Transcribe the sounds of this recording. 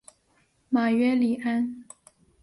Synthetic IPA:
ma˨˩ɥɛ˥li˨˩a˥n

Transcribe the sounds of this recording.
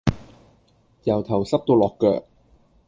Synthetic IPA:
jɐ˨˩wt̪ʰɐ˨˩wsɐ˥p̚t̪o˧wlɔː˨˩kːœ̰ː˨k̚

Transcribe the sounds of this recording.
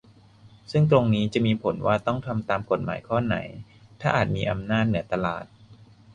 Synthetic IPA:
sɯ˥˩ŋt̪̬ɾo˧ŋniː˦˥t͡ɕa˨˩miː˧pʰo˩˦nwa̰ː˥˩t̪ɔ˥˩ŋt̪ʰa˧mt̪aː˧mko˨˩t̪̚ma̰ː˩˦jkʰɔː˥˩na̰˩˦j | t̪ʰaː˥˩ʔaː˨˩t̪̚miː˧ʔa˧mnaː˥˩t̪̚nɯ˩˦ɐt̪a˧la̰ː˨˩t̪̚

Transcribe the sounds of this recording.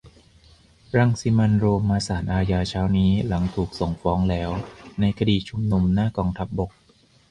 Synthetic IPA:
ɾa˧ŋsi˧˦ma˧nɾoː˧mːaː˧saː˩˦nʔaː˧jaː˧t͡ɕʰaː˦˥wniː˦˥la˩˦ŋt̪ʰuː˨˩k̚so˨˩ŋfɔː˦˥ŋlɛː˦˥wna˧jkʰa˧diː˨˩t͡ɕʰu˧mnu˧mnaː˥˩kɔː˧ŋt̪ʰa˦˥p̚bo˨˩k̚

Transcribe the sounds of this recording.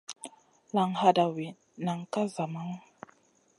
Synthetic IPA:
la˨ŋha˨da˨wi˨ | na˨ŋka˦za˨ma˦ŋ

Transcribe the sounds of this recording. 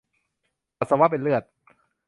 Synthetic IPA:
pa˨˩sa˧wa˦˥p̬e˧nlɯ˥˩ət̪̚

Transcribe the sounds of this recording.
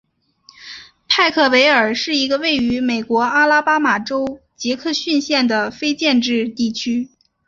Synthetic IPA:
pʰa˥˩ɪkʰɤ˥˩we˧˥ɪə˞˨˩ʂɻ̩˥˩i˧˥ɡə˧we˥˩ɪy˧˥me˨˩ɪkwɔ˧˥a˥la˥pa˥ma˨˩ʈ͡ʂo˥ʊ | t͡ɕjɛ˧˥kʰɤ˥˧ɕy˥˧nɕjɛ˥˩nd̪ə˩fe˥ɪt͡ɕjɛ˥˧nʈ͡ʂɻ̩˥˧t̪i˥˩t͡ɕʰy˥

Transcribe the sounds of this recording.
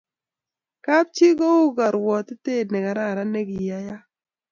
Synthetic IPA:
ka˦p̚t͡ʃi˦ɡɔ˦u˦ɡa˨ɾwɔ˨t̪ɪ˦te˦˨nɛ˨ka˨ɾa˦˨ɾa˦ne˦ɡi˨ja˨˦ja˦

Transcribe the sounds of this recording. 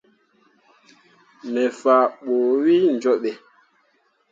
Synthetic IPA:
mɛ˨faː˨ɓoː˨wi˦n̩˨d͡ʒɔ˦ɓɛ˨

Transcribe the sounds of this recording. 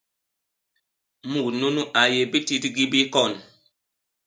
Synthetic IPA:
mu˨knu˦nu˦ʔa˨je˨bi˦ti˦tɡi˦bi˦kɔ˦˨n

